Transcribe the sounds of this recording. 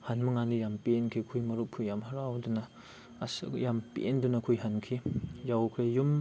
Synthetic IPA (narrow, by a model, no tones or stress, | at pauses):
hanmɐŋanijampenkʰikʰujmɐɾuppʰujamhaɾawdunɐː | sjampḛndunɐkʰujɦankʰijawkʰejum